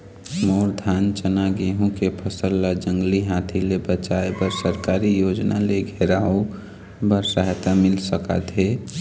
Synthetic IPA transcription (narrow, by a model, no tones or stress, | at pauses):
moːɾd̪ʱaːnt͡ʃənaɡeɦũkepʰəsəlːad͡ʒə̃ŋɡliɦaːt̪ʰilebət͡ʃaebəɾsəɾkaːɾijoːd͡ʒna̰leɡʱeɾaõ | bəɾsəɦt̪amɪlsəka̰t̪ʰɦe